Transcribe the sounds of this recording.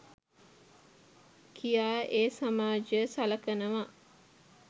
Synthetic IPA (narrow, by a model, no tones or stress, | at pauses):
kʰijaːeːsamaːd͡ʒəsalɐkənəʋa